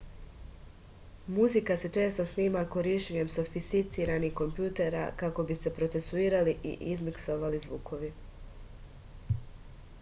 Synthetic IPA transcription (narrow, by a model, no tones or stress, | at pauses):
muzikase̞t͡ʃe̞ːst̪o̞sniːmako̞ɾiʃuɲe̞mso̞fist̪it̪siːɾanixko̞mpjuːt̪e̞ɾa̰kako̞bise̞pɾo̞t̪se̞suiːɾaliʔḭʔizmikso̞ʋalizʋuːko̞ʋi